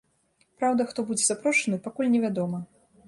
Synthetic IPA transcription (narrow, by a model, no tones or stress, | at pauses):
pɾawd̪ɐxt̪ɔbud͡zʲɛzapɾɔʂɐnɨpakulʲnʲɛvʲad̪ɔmɐ